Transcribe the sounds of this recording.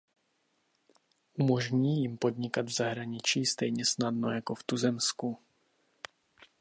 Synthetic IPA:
ʔumo̞ʒɲiːjɪmpo̞dɲɪkad̪vzaɦɾaɲɪt͡ʃiːst̪ɛjɲɛsnadnojako̞ft̪uzɛmsku

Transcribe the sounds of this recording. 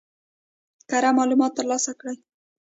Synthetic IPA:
kaɾamɑlumɑt̪ːəɾlɑsakɽaj

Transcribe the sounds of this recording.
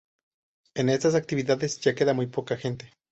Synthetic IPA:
e̞ne̞st̪as̬ak̚t̪iβiðaðe̞zʝake̞ðamujpo̞kaxe̞nt̪e

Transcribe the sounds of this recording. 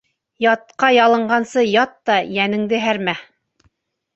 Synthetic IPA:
jɑt̪̚qɑjɑlˠɤ̆ɴɢɑnsɤjɑt̪ːɑjænɘ̆ŋd̪ɘɦæɾmæ

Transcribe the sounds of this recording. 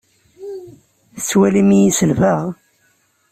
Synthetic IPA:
θət͡sːwælimijisəlvəʁ

